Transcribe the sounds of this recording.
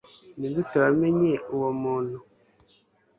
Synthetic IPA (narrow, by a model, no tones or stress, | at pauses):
nidutaameɲeuwomuːn̤u